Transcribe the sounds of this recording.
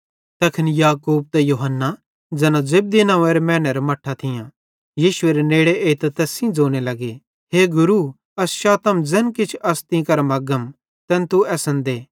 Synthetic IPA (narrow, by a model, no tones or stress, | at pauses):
t̪ɐkʰɪnijaːkuːb̚t̪ɛjuɦənːa | d͡zɐnãd͡ʒeb̚d̪inãːeːɾemɛːñɐɾmɐʈʰːat̪ʰɪjã | jiːʃʊeːɾeneːɽeʔeːt̪ɐt̪ɛːsĩd͡zoːɽ̃elɐɡe | ɦeːɡʊɾu | ɐsʃaːt̪ɐmd͡zɛnkɪt͡ʃʰɐst̪ĩkɐɾmɐɡəm | t̪ɛnt̪uɛːsənd̪eː